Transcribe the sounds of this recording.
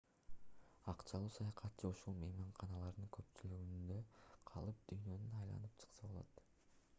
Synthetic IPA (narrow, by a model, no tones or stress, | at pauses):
ɑqt͡ʃɑlˠuːsɑjɑqɑtt͡ʃːɯuʃulˠmemɑɴqʰɑnɑlˠɑɾd̪ɯŋkʰø̞pt͡ʃylyɡynd̪øqʰɑ̰lˠɯp̚d̪̥yjnø̞nynɑjlˠɑ̰nɯp̚t͡ʃʰɯ̥qsɑbo̞lˠot̪